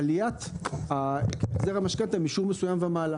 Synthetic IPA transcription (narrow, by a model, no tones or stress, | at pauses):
lijatakkt͡seʁamaʃkantamiʃuʁmesujamveamaːla